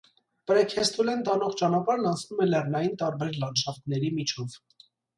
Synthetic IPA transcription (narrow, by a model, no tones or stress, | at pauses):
pəɾɛkʰɛst̪ʰulɛnt̪ɑnɔʁt͡ʃɑnɑpɑɾnɑnt͡sʰnumɛlɛrnɑjint̪ɑɾbɛɾlɑnʃɑft̪nɛɾimit͡ʃʰɔv